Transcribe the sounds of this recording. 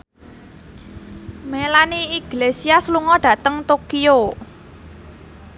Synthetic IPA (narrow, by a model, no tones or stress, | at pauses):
melaniiɡ̥lesiasluŋɔɖ̥ä̤t̪əŋt̪okio